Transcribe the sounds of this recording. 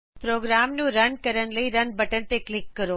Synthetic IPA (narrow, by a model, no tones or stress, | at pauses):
pɾoːɡɾaːmnũɾɐnkəɾəɽləiɾɐnbɐʈəɳ̃t̪eklɪkːəɾoː